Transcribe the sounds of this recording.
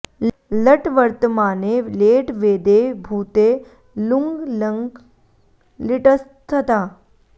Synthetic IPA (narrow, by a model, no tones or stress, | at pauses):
ləʈʋəɾt̪əmaːneːleːʈʋeːd̪ebʱuːt̪e | luŋɡləŋɡ | liʈəst̪ʰət̪aː